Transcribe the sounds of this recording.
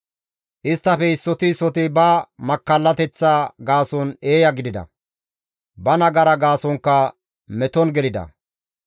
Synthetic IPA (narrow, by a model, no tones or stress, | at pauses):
ʔɪst̪ːɐfɛɪsːɔt̪ɪsɔt̪ɪbɐmɐkːɐlːɐt̪ɛt͡sːaːɡaːsɔne̞ːjɐɡɪd̪ɪd̪ɐ̰ | bɐnɐɡɐɾɐɡaːsɔŋkːɐ | mɛt̪ɔnɡɛlɪd̪ɐ̰